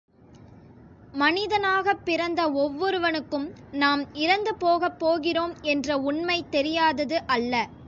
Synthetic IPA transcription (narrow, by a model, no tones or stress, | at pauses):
mɐnɪðɐnaːɣɐpːɪɾɐnd̪ɐɔʋːɔɾɯʋɐnɯkːɯmnaːmɪɾɐnd̪ɯpoːɣɐpːoːɣɪroːmɛndrɐʊɳmɐɪt̪ːɛɾɪjaːðɐðɯʔɐlːɐ